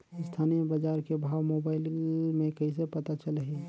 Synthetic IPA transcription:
st̪ʰaːnijəbad͡ʒaːɾkebʱaːwmoːbaːɪlmẽkɐɦĩs̬epɐt̪at͡ʃəlɦi

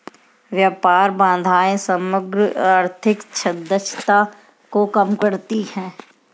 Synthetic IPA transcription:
ʋjaːpaːɾbãːnd̪ʱaːẽsəməɡɾaːɾt̪ʰɪkt͡ʃʰɐd̪ət͡ʃʰt̪a | kokəmkəɾt̪ihɛ̃ː

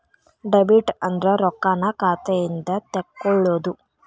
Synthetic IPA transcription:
ɖɐbiʈɐnd̪ɾɐɾɔkːaːnɐkaːt̪ɐjind̪ɐt̪ekːɔɭːoːd̪u

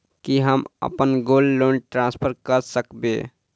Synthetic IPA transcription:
kiɦəmə̰pənɡolːonʈɾãspʰəɾkəɾsəkbe

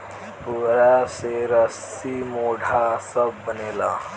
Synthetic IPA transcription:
puːɾaseɾəsimoːɖʱasəb̚ːəneːla̰ː

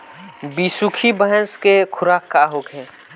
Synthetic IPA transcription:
biːsukʰibəɦəskekʰʊɾaːkːaːɦoːkʰɦẽː

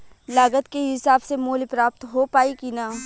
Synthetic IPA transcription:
laːɡət̪keɦɪsaːbsemoːlipɾaːp̚t̪ɦopaːikinaː

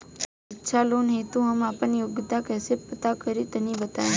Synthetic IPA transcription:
itːʃʰalonɦet̪ũɦəmapənijʊɡt̪akɛsepət̪akəɾit̪ənibət̪aj

